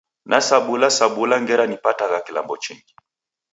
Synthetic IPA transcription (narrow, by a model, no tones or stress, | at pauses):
nʔasaɓulasaɓulaŋɡɛɾanipataɣakila̰mbɔt͡ʃiŋɡi